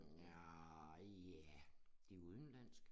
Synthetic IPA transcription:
jæ | d̥iuð̞ˠn̩læn̰sɡ̥ə

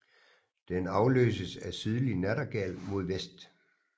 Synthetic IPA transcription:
d̥enɑ̈ʊlø̰ːsəsæsyð̞ˠlinæɾɐɡ̥ælmo̝ð̞ˠʋesd̥

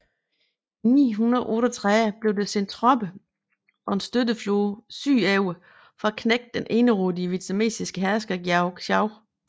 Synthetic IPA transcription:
inḭːɦunɐðˠʔɔːɾ̥ɒt͡sʰʁab̥le̝ʊd̥ese̝nt͡sʰʁɒ̽b̥ə | ʔɒ̽e̝nsd̥ødəfloːsy̰ːɛʊə | fɒ̽ækʰneɡ̥̚d̥enʔe̝ːnəʁoːdiəʋit͡sʰæme̝̰ːsisɡ̥əɦæɐsɡ̥ɐɡ̥ʊ̥ɑʊ

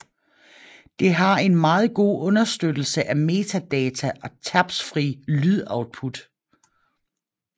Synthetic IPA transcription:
d̥e̝ɦɑ̈e̝nmɑ̈ːð̞̩ˠɡ̥o̝̰ːɔ̽nɐsd̥ød̥l̩səʔæme̝ːt͡sʰæd̥ɛːt͡sʰæʔɒ̽t͡sʰæb̥sfʁḭːlyðˠɑ̈ʊd̥̚pʰud̥

